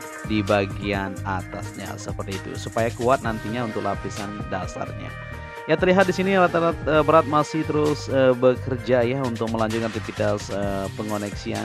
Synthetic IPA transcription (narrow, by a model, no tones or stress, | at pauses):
dibaɡianat̪asɲa̰səpərt̪iːt̪ṵsupajakuat̪̚nant̪iɲaunt̪ʊk̚lapisandasa̰rɲa̰ | jat̪ərliɦat̪̚disiniɾat̪ɾat̪̚əbəɾat̪̚masɪht̪əɾʊsəbəkərd͡ʒajaunt̪ʊk̚məlaɲd͡ʒʊt̪̚kant̪ifit̪asəpəŋonɛksia̰